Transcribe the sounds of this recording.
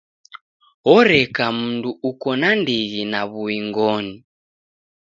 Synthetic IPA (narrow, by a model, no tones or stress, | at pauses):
ɔɾɛkam̩nduukɔnandiɣinaβuiŋɡɔni